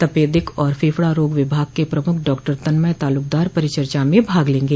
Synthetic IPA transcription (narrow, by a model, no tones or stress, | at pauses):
t̪ɐpeːd̪ɪkɔːɾfʰeːfɽaɾoːɡʋɪbʱaːɡ̚kepɾɐmʊkʰɖɔːkʈəɾt̪ɐnməjt̪aːlʊk̚d̪aːɾpɐɾɪt͡ʃəɾt͡ʃamẽbʱaːɡlẽːŋɡeː